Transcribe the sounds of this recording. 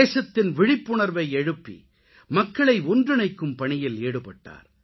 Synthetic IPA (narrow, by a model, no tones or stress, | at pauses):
eːsɐt̪ːɪnʋɪɻɪpːʊɳɐɾʋɐɪɛɻɯpːḭ | mɐkːɐɭɐɪʊndrɪnɐɪkːɯmpɐɳɪjɪleːɽɯpɐʈːa̰ːɾ